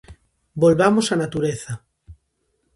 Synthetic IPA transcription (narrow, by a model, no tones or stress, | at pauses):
bolβamosanat̪uɾeθa